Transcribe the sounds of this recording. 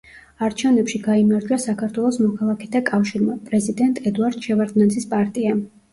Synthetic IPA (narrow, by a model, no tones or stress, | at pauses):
aɾt͡ʃʰɛvnɛpʃiɡaimaɾd͡ʒuasakʰaɾt̪ʰwɛlˠɔsmɔkʰalˠakʰɛt̪ʰakʼafʃiɾmapʼɾɛzid̪ɛnt̪ʼɛd̪uaɾd̪̥ʃɛvaɾd̪nɛnzispʼaɾt̪ʼia